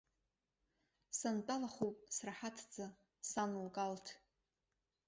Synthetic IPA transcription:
santʼalaχopʼsraħatʰd͡za | sanlkʼaltʰ

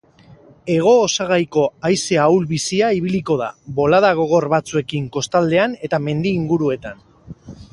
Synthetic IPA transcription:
e̞ɣ̞o̞ːsaɣajko̞ajse̞awlβisiaiβiliko̞ðaβo̞laðaɣ̞o̞ɣ̞o̞ɾβat͡sue̞kiŋko̞st̪ald̪e̞ane̞t̪ame̞nd̪iːŋɡuɾue̞t̪an

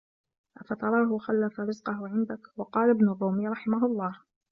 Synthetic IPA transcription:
ʔafɑt̪ˤɑɾˤɑːɦʊxalːafaɾɪzqɑhʊʕɪnd̪akwɑqɑːlabnʊrˤːuːmɪjɾˤɑħɪmaɦʊlˤːɑːh

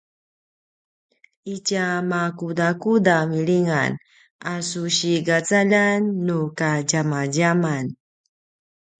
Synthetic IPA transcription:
icamakudakudamiɭiŋa̰n | asuɕiɡat͡saʎanːukaɟamaɟaman

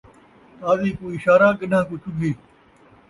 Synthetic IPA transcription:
t̪aːziːkuːɪʃaːɾaːkəɗãːkʊt͡ʃʰʊd̪ʱeː

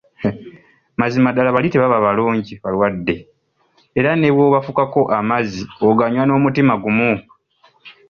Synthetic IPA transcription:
mazimadalaβaliteβaβaβaloːɲɟiβalwadːe̞ | eɾane̞βwo̞ːβafukako̞ʔamazioɡaɲwano̞ːmutimaɡumu

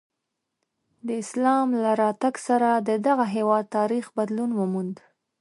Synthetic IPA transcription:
d̪əɪslɑmlaɾɑt̪aɡsaɾad̪əd̪aɣaɦewɑd̪̚t̪ɑɾixbad̪lunwəmund̪

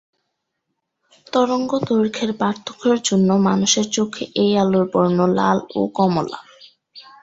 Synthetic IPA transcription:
t̪ɔɾoŋɡod̪oɾkʰeɾpaɾt̪ʰːo̥kʰoɾd͡ʑonːomanuʃeɾt͡ɕokʰːeʔejaloɾpɔɾnola̰lo̰kɔmola̰

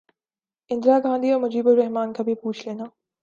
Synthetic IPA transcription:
ɪ̃nd̪ɾaːɡʱãːnd̪ʱiɔːɾmʊd͡ʒiːbʊlːɛɦmaːnkabʱipuːt͡ʃʰleːnaː

